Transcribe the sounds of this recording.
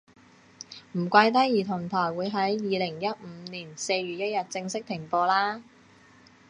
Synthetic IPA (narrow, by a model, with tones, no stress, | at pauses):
m̩˨˩kʷa˧jt̪̬ɐ˥jjiː˨˩t̪ʰʊ˨˩ŋt̪ʰɔː˨˩jwuː˨˧jɦɐ˨˥jjiː˨˧lɪ˨˩ŋjɐ˥t̚m̩ː˨˧˦niː˨˩nse˧jɥyː˨˩t̚jɐ˥t̚jɐ˨t̚t͡sɪ˧ŋsɪ˥k̚t̪ʰɪ˨˩ŋpɔː˧laː˥